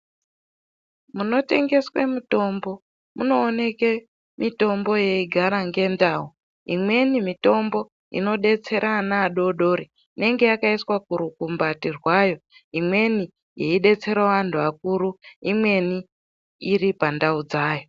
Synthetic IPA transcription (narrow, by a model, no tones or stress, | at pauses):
muno̞te̞ŋɡe̞swemuto̞mbo̞ | muno̞ːne̞ke | mito̞mbo̞je̞iɡʱaɾaŋɡe̞ndaːu | imwe̞nimito̞mbo̞ | ḭno̞ɗe̞t͡se̞ɾʔanaːɗo̞ɗo̞ːɾi | ne̞ŋɡe̞jakaiswak̚uɾukumbatirwajo̞imwe̞ni | jeiɗe̞t͡se̞ɾaʋantʰuak̚uɾuimwe̞ni | iɾipandaud͡zaːjo̞